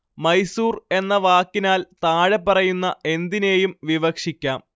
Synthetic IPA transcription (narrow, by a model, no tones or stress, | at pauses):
mɐjsuːre̞nːɐʋaːkːinaːlt̪aːɻepːɐrɐjunːɐe̞nd̪ine̞ːjumʋiʋɐkʂikʲːaːm